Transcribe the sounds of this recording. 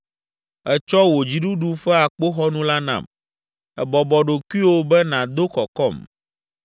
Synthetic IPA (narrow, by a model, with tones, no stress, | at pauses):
ɛ˨t͡ʃɔ˦wo˨d͡ʑi˨ɖu˦ɖu˦ɸɛ˦a˨k͡po˦xɔ˦nũ˦la˦nã̰˨m | ɛ˨bɔ˨bɔ˨ɖo˨ku˦i˦wo˦bɛ˦nã˨d̪o˦kɔ˨kɔ˦˨m